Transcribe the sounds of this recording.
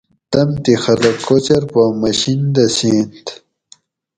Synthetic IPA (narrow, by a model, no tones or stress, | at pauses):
t̪ɐmt̪ixɐlɐkːot͡ɕɐɾpamɐɕind̪ɐseːnt̪